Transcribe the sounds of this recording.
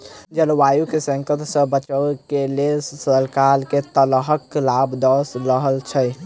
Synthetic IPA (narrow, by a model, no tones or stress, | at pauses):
d͡ʒəlʋajukesə̃ŋkət̪sə̃bət͡ʃəkelelssəəlkalket̪əlɦəkːlabd̪əsɾəɦəlt͡ʃʰəj